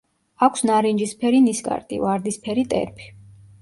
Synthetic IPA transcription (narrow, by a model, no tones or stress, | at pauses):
akʷʰsnaɾind͡ʒispʰɛɾiniskʼa̰ɾt̪ʼḭvaɾd̪ispʰɛɾit̪ʼɛ̰ɾpʰi̥